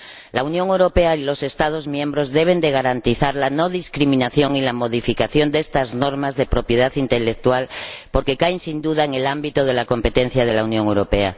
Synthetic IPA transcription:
launjõŋewɾo̞pe̞ailo̞se̞st̪að̞o̞zmjẽ̞mbɾo̞zðe̞β̞e̞nd̪e̞ɣ̞aɾant̪iθaɾlano̞ðiskɾimĩnaθjo̞ŋilamo̞ð̞ifikaθjo̞nd̪est̪azno̞ɾmazðe̞pɾo̞pje̞ðaθint̪e̞lek̚t̪ualpo̞ɾke̞kaensind̪uðaeŋe̞lambit̪oð̞e̞lako̞mpe̞t̪e̞n̟θjaðe̞launjõŋewɾo̞pea

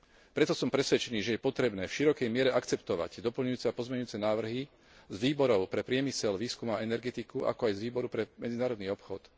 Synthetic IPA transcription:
pɾɛt̪ɔsɔmpɾɛsʋɛt͡ʃɛniːʒɛjɛpɔt̪ɾɛbnɛːfʃiɾɔkɛjmɪɛɾɛʔakt͡sɛpt̪ɔʋa̰ɟd̪ɔpl̩ɲujuːt͡sɛapɔzmɛɲujuːt͡sɛnaːʋr̩ɦi | zʋiːbɔɾɔʊpɾɛpɾɪɛmisɛlʋiːskumaɛnɛɾɡɛt̪ikuʔa̰kɔajzʋiːbɔɾupɾɛmɛd͡zinaːɾɔd̪niːɔpxɔt̪

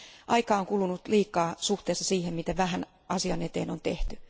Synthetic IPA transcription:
ʔɑikɑːoŋkulunut̪liːkˑɑːsuht̪eːstːɑsiːhemmit̪æʋæhæn | ʔɑsiɑnet̪ḛːno̰nt̪eht̪y

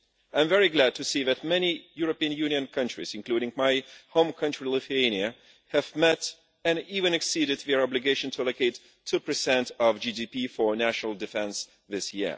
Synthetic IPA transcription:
ãɪ̃ɱvɛɹiɡlæd̚tʰɨsiðɨt̚mɛnijʊɹɨpiɨ̃njʉnjɨ̃nkʰʌ̃nt͡ʃɹ̥ḭzɨ̃nkl̥uɾɪ̃ŋmaɪhõʊ̃mkʰʌ̃nt͡ʃɹ̥ilɪθieɪniɨ | hɨvmɛɾ | ɨ̃nivɨ̃nɨksiɾɨd̪̚ðɛ˞ɑblɨɡeɪʃɨ̃n̩tʰuælokeɪtʰːupə˞sɛ̃ntʌvd͡ʒidipifə˞næʃnəl̩ˠdɨfɛ̃ns | ðɪsjɪ̰ɹ

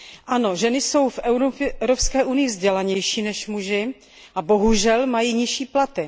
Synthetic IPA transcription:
ʔano̞ʒɛnɪso̞wfʔɛɾɾopskɛːʔunɪjɪvzɟɛlaɲɛjʃiːnɛʃmuʒɪ | ʔabo̞ɦuʒɛlmajiːɲɪʃiːplat̪ɪ

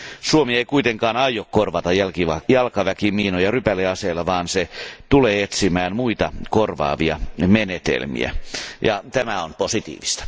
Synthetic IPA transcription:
suomieikuit̪eŋkɑːnɑijokkorʋɑt̪ɑælkiɑjɑlkɑʋækimiːnojɑrypælːeɑseːlːɑʋɑːnset̪uleːet̪simæːnmuit̪ɑkorʋɑ̰ːʋiɑmenet̪ḛlmḭæ̰jɑ̰t̪æmæonposit̪ḭːʋist̪ɑ̥

